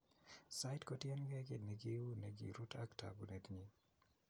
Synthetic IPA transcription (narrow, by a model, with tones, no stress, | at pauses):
sa˦jtkɔtjɛ˦nɡɛ˦kɪ˨dnɛɡiu˦neɡḭɾu˦tʰaktʰa̰˨bunɛ˨tɲi˦